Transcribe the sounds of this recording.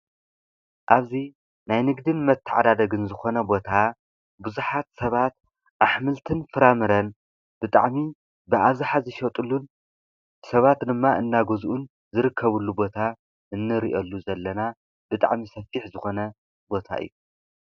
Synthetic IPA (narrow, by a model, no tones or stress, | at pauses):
ʔaβzi | najnɨɡd̪ɨnmɐt̪ʰːɨʕa̰d̪ad̪ɐɡɨnzɨxo̞nɐbo̞t̪ʰa | buzuħat̪sɐβat̪ | ʔaħmɨlt̪ʰɨnfɨɾamɨɾɐn | b̥ɨt̪ʼa̰ʕmi | bɨʔaβzɨħazɨʃɐt̪ʼulːun | sɐβat̪d̪ɨmːaʔɨnːaɡozʔun | zɨɾɨkʰːɐβulːubo̞t̪ʰa | ʔɨnːɨɾiʔolːuzɐlːɐna | bɨt̪ʼa̰ʕmisɐfiħzɨxo̞nɐ | bo̞t̪ʰa̰ʔɨ̰jːu